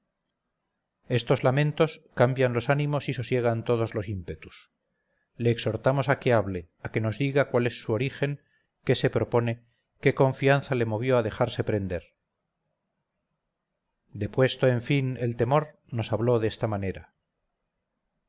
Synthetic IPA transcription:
e̞st̪o̞zlamẽ̞nt̪o̞skambjanlo̞sanĩmosisosje̞ɣ̞ant̪o̞ð̞o̞zlo̞simpe̞t̪us | le̞ːkso̞ɾt̪amo̞sake̞aβle̞ | ake̞no̞zðiɣakwale̞sːuo̞ɾixe̞ŋ | ke̞se̞pɾo̞po̞ne̞ | ke̞ko̞ɱfianθale̞mo̞β̞jo̞aðe̞xaɾse̞pɾe̞nd̪e̞ɾ | d̪e̞pwe̞st̪oe̞ɱfine̞lt̪e̞mo̞ɾ | no̞saβlo̞ðest̪amane̞ɾa

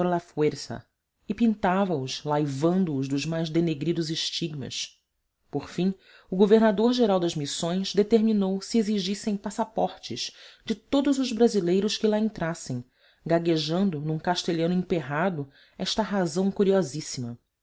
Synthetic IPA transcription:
ɾlafweɾsɐ̰ | ɪpĩnt̪avɐʊʃlajvɐ̃nd̪ʊːzd̪ʊzmajzd̪eneɡɾid̪ʊzɪʃt͡ʃiɡmɐ̰ʃ | poɾfĩ | ʊɡoveɾnad̪oɾʒeɾawd̪ɐzmisõj̃zd̪et̪eɾminowsɪeziʒisẽj̃pasapɔɾt͡ʃɪʃd͡ʒɪt̪od̪ʊzʊzbɾazilejɾʊʃkɪlaẽnt̪ɾasẽj̃ | ɡaɡeʒɐ̃nd̪ʊnũkaʃt̪eʎɐ̃nʊĩpeɦad̪ʊ | ɛʃt̪ɐɦazɐ̃w̃kuɾiɔzisimɐ

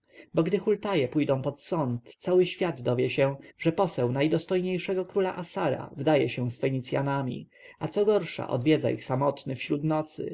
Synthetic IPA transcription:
bɔɡd̪ɘxult̪ajɛpujd̪ɔ̃w̃pɔt̪sɔnt̪ːsawɘɕfʲjad̪d̪ɔvʲjɛɕɛ̃ʐɛpɔsɛwnajd̪ɔst̪ɔjɲejʂɛɡɔkɾula̰ʔasaɾa̰vd̪ajɛɕɛ̃sfɛɲit̪sʲja̰namʲḭ | at̪sɔɡɔɾʂa̰ʔɔ̰d̪vʲjɛd̪za̰ʔḭxsamɔt̪nɘfɕɾut̪nɔt̪sɘ̰

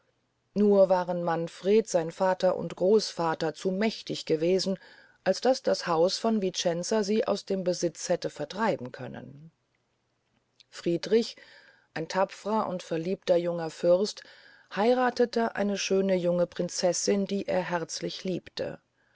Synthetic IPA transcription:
nuːɐvaːʁənmanfʁ̥eːtz̥aɪnfaːtɐʔʊ̰ntɡ̥ʁoːsfaːtɐt͡suːmɛçtɪçɡ̥əveːzn̩ | ʔalsd̥asd̥ashaʊsfɔnvit͡ʃɛnt͡saziːʔa̰ʊsd̥eːmbəzɪt͡shɛtəfɛɐtʁ̥aɪbm̩kʰœ̰nə̰n | fʁ̥iːdʁɪç | ʔaɪntʰapfəʁɐʔʊ̰ntfɛɐliːptɐjʊŋɐfʏɐst | haɪʁaːtətəʔa̰ɪnəʃøːnəjʊŋəpʁ̥ɪnt͡sɛsɪndiːʔḛːɐɦɛɐt͡slɪçliːptʰə̰

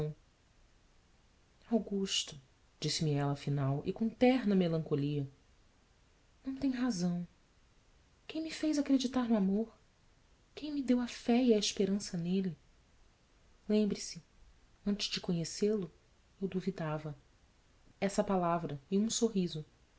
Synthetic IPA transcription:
awɡuʃt̪ʊ | d͡ʒisɪmɪɛlɐaːfinawʔɪ̰kõt̪ɛɾnɐmelɐ̃ŋkoliɐ | nɐ̃w̃t̪ẽj̃ɦazɐ̃w̃ | kẽj̃mɪfejzakɾed͡ʒit̪aɾnʊamoɾ | kẽj̃mɪd̪ewɐfɛiɐiʃpeɾɐ̃sɐnelɪ | lẽmbɾisɪ | ɐ̃nt͡ʃɪzd͡ʒɪkõɲeselʊ | ewd̪uvid̪avɐ | ɛsɐpalavɾɐɪũsoɦizʊ

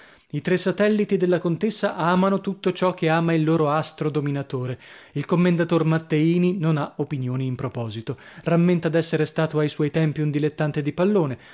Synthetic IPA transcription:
it̪ɾesːat̪ɛlːit̪id̪elːakont̪esːaʔaːmanot̪ut̪ːot͡ʃɔk̟ːeaːmailːoːɾoast̪ɾod̪ominat̪oːɾeilkomːend̪at̪ormat̪ːeiːninonaopinjoːniːmpɾopɔːzit̪oramːent̪ad̪ɛsːeɾest̪aːt̪oajswɔjt̪ɛmpiund̪ilet̪ːant̪ed̪ipalːoːne

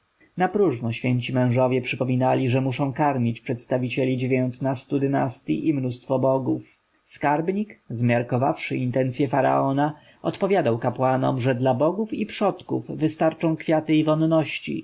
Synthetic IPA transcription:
napɾuʐnɔɕfʲjeɲt͡ɕimɛ̃w̃ʐɔvʲjɛpʂɘpɔmʲinalʲiʐɛmuʂɔ̃w̃kaɾmʲjit͡ɕpʂɛt̪st̪avʲit͡ɕɛlʲid͡ʑevʲjɔnt̪nast̪ud̪ɘnast̪ʲjḭʔimnust̪fɔbɔɡuf | skaɾbɲikzmʲjaɾkɔvafʂɘint̪ɛnt̪sʲjɛfaɾa̰ɔna | ɔt̪pɔvʲjad̪awkapwanɔ̰mʐɛd̪labɔɡufipʂɔt̪kṵvːɘst̪aɾt͡ʂɔ̃w̃kfʲjat̪ɘivɔnːɔɕt͡ɕḭ

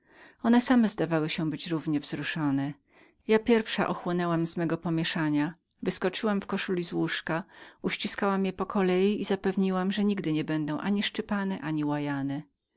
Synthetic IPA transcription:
ɔnɛsamɛzd̪avawɘɕɛbɘt͡ɕɾuvɲɛvzɾuʂɔnɛ | japʲjɛɾfʂa̰ʔɔxwɔnɛwamz̥mɛɡɔpɔmʲjɛʂaɲa | vɘskɔt͡ʂɘwamfkɔʂulʲizwuʂkauɕt͡ɕiskawamjɛpɔkʰɔlɛjiizapɛvɲiwamʐɛɲiɡd̪ɘɲɛbɛnd̪ɔ̃w̃ʔaɲiʂt͡ʂɘpanɛʔaɲiwajanɛ

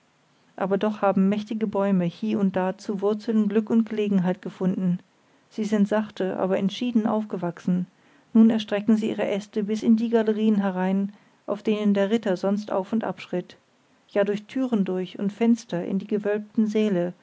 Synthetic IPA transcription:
ʔaːbɐdɔχhaːbm̩mɛçtɪɡəbɔʏməhiːɐʊnt̚d̥aːt͡suvʊɐt͡sl̩nɡlʏkʊnt̚ɡ̥əleːɡŋ̩ɦaɪt̚ɡ̥əfʊndn̩ | z̥iːzɪntz̥aχtəʔa̰ːbɐʔɛntʃiːdn̩ʔa̰ʊfɡ̥əvaksn̩ | nuːnɛɐʃtʁ̥ɛkŋ̩ziːʔiːʁəʔɛstəbɪsɪndiːɡaləʁiːənɦɛʁaɪn | ʔaʊfd̥eːnəndeːɐʁɪtɐzɔnstʔa̰ʊfʊntʔa̰pʃʁ̥ɪt | jaːdʊɐçtʰyːʁəndʊɐçʊntfɛnstɐʔɪ̰ndiːɡəvœlp̚tn̩zeːlə

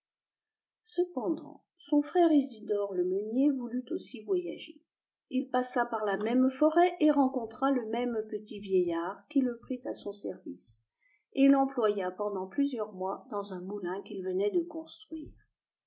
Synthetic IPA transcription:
səpɑ̃d̪ɑ̰̃ | sɔ̃fχɛʁizid̪ɔʁləmənjevulyt̪osivwajaʒe | ilpasapaʁlamɛmfɔʁɛʔeʁɑ̃kɔ̃t̪χaləmɛmpət̪ivjejaʁkʲiləpχit̪asɔ̃sɛʁvis | elɑ̃plwajapɑ̃d̪ɑ̃plyzjœʁmwad̪ɑ̃zɛ̃mulɛ̃kilvənɛd̪əkɔ̃st̪χɥiːʁ

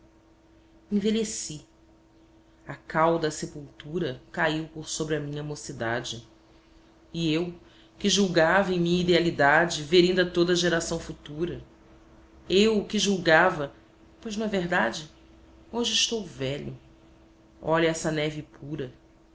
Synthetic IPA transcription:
ẽveʎesi | akawd̪ɐsepuwt̪uɾɐkaiwpoɾsobɾɪɐmĩɲɐamosid̪ad͡ʒɪ | iew | kɪʒuwɡavɐẽj̃mĩɲɐid̪ealid̪ad͡ʒɪveɾĩnd̪ɐt̪od̪ɐʒeɾasɐ̃w̃fut̪uɾɐ | ewkɪʒuwɡavɐ | pojznɐ̃ɛveɦd̪ad͡ʒɪ | oʒɪːʃt̪owvɛʎʊ | ɔʎɐɛsɐnɛvɪpʰuɾɐ

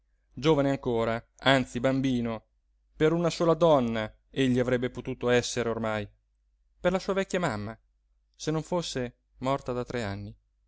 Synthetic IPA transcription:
d͡ʒoːvaneaŋkoːɾa | ant̪sibambiːno | peɾunasoːlad̪ɔnːa | eʎːiavɾɛbːepot̪uːt̪oɛsːeɾeormaj | perlasuːavɛkʲːjamamːa | senːoɱfosːe | mɔrt̪ad̪at̪ɾeanːi

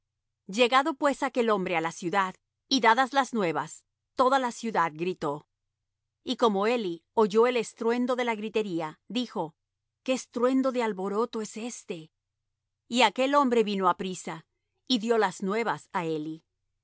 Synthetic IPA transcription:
d͡ʒe̞ɣaðo̞pwe̞sake̞lo̞mbɾe̞alasjuðað | iðaðazlaznwe̞βas | t̪o̞ðalasjuðaðɡɾit̪o̞ | iko̞mo̞e̞lioʝo̞e̞lest̪ɾwe̞nd̪o̞ðe̞laɣɾit̪e̞ɾiaðixo̞ | keːst̪ɾwe̞nd̪o̞ðealβo̞ɾo̞t̪o̞ese̞st̪e̞ | iake̞lo̞mbɾe̞βino̞apɾisa | iðjo̞laznwe̞βasae̞li

